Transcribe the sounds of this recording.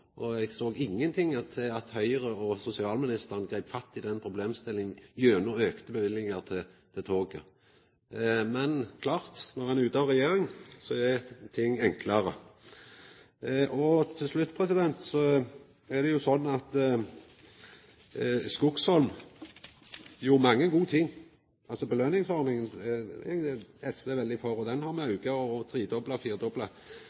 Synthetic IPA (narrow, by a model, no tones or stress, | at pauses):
ʔɔɛɡsoːɡɪŋːənt̪ʰɪŋːət̪ʰɪɑt̪hœʏəʁəɔsʊsɪɑːlmɪnɪst̪əʁənɡɾæɪpfɑt̪ːɪd̪ɛnpʰɾʊbleːmst̪ɪlːɪŋn̩jøːnuøːkt̪əbəʋɪlːɪŋəʁt̪ʰɪt̪ʰɪlt̪ʰoːɡə̰ | mɛnkʰlɑːʁt̪nɔʁɛnʉːt̪ɑʁɛjeːɾɪŋsɔɛt̪ʰɪŋːɛŋkʰləɾə | ʔɔt̪ʰɪlslʉt̪ːpʰʁɛsɪd̪ɛnt̪sɔ | ɛd̪ɛjʊsɔnːɑt̪ | skʊkshɔlm | juːʁmɑŋːəɡuːt̪ʰɪŋː | ɑlsɔbəløːnɪŋsɔɾnɪŋən | ɛsʋeːʋɛld̪ɪfɔʁɔd̪ɛnhɑɾmɛɑʉɡəɔɔt̪ʰɾiːd̪ɔblɑfiːʁd̪ɔblɑ